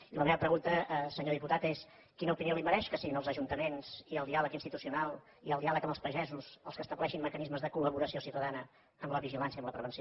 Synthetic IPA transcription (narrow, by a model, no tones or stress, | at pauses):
iləmɛβəpɾəɣunt̪əsəɲoðiput̪at̪es | kinəupinioliməɾɛʃkəsiɣinəlˠzəʒunt̪əmenz̥iəlˠd̪ialəkinst̪it̪usiunalˠ | iəlˠd̪ialˠəkəməlspəʒɛzusəlˠskəst̪əβlɛʃimməkənizməzðəkuləβuɾəsiosiwt̪əðanə | əmləβiʒilansjəmləpɾəβənsio